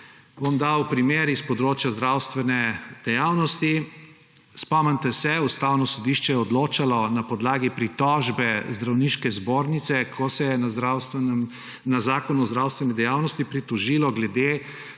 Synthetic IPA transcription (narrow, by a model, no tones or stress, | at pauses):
bomd̪awpɾimeɾispɔd̪ɾoːt͡ʃjazd̪ɾawst̪ʋɛnɛd̪̥ɛjaːwnɔst̪i | spɔmɛnt̪ɛsɛust̪awnɔsɔd̪iʃt͡ʃɛjɛɔd̪loːt͡ʃalɔnapɔd̪laːɡipɾit̪ɔʒbɛzd̪ɾawniːʃkɛzboɾnit̪sɛkʰɔsɛjɛaawsm | nazaːkɔnuɔzd̪ɾawst̪ʋɛnɛd̪ɛjawnɔst̪ipɾit̪ɔʒilɔɡlɛd̪e